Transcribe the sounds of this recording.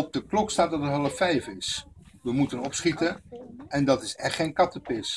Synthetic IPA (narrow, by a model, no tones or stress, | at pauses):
ɔb̚dəklɔkstaːt̚dɑtətɦɑlˠəfɛjfɪs | ʋəmutənɔpsχitəɛndɑtɪsɛχχejnkɑtəpɪs